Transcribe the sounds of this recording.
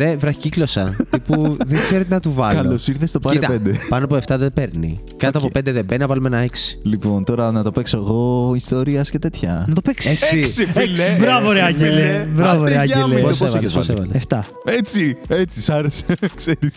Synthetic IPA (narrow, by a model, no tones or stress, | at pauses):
ɾevɾɐç̥ciklo̞sɐt̪ipuðeŋɡz̥e̞ɾet̪enɐt̪uvɐkɐlosiɾθest̪opɐit̪ɐpend̪epɐnoɐp̬oeft̪ɐðepeɾnḭ | kɐt̪oɐpope̞nd̪eðebenɐvɐlumeenɐeksi̥lipo̞nt̪o̞ɾɐnɐt̪o̞peksoeɣoist̪o̞ɾiɐscet̪e̞t̪çɐ̰nɐt̪opeksesiksiflebɾɐvoɾeɐɲɟelivɾɐvoeɐelposevlezvɐlsvɐ̰leeft̪ɐ | et͡siet͡sisɐɾese̥kseɾis